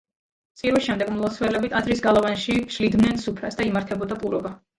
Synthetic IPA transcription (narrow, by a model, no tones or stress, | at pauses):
t̪sʼiɾwisʃɛmd̪ɛɡmlˠɔt̪sʰvɛlɛbit̪ʰazɾisɡalˠɔvanʃiʃlid̪mnɛnsupʰɾasd̪aimaɾt̪ʰɛbɔd̪apʼuɾɔba